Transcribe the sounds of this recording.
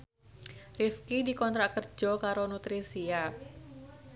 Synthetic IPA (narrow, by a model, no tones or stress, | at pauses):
rifkidikɔnt̪ɾaʔkərd͡ʒʒɔkaɾonut̪ɾisia